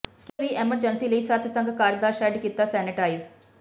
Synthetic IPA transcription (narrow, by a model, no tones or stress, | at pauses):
keʋiːʔeːməɾd͡ʒənsiːləiːsət̪ʰsə̃ŋɡkaːɾd̪aːʃɛɖkiːt̪ːaːsɛːnɪʈaːiz